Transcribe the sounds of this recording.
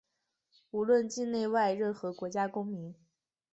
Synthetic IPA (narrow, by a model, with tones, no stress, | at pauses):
u˧˥lwə˥˧nt͡ɕi˥˧nne˥˧ɪwa˥˧ɪɻə˥˩nxɤ˧˥kwɔ˧˥t͡ɕja˥kʊ˥ŋmi˧˥ŋ